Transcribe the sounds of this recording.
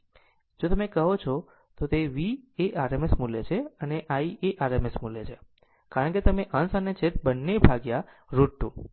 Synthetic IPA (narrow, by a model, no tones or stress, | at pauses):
d͡ʒot̪əmekəɦot͡ʃʰo | t̪ot̪eʋieʔaɾemesmulḛt͡ʃʰeəneʔaiʔeʔaɾemesmulet͡ʃʰe | kaɾəɳket̪əmeʔənsənet͡ʃʰet̪bənːebʱaɡja | ɾuʈʈũ